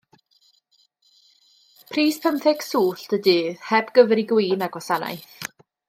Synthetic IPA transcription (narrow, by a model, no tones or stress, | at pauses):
pʰriːspʰəmθɛɡ̥suːɬd̥ədɨːðhɛbɡ̥əvɛɾiɡwiːnaɡwɔsana̰jθ